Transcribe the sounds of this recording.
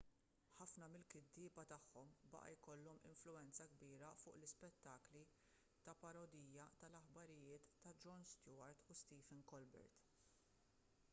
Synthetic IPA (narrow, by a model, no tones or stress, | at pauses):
ħɐfnɐmɪlkɪd̪ːɪːbɐt̪ɐħːɔmbɐ̰ʔɐ̰jkɔlːɔmɪ̰ɱflʊɛnt͡sɐɡbiːɾɐfʊːʔlɪspɛt̪ːɐːkli | t̪ɐpɐɾɔd̪iːjːɐt̪ɐlɐħbɐɾɪjɪːt̪ːɐd͡ʒɔnst̪jʊːɐɾt̪ust̪iːfɛnkɔlbɛ̰ɾt̪